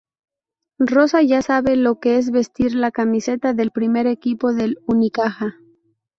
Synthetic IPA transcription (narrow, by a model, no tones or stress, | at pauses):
ro̞saʝasaβe̞lo̞ke̞e̞zβe̞st̪iɾlakamise̞t̪aðe̞lpɾime̞ɾe̞kipo̞ðe̞lunikaxa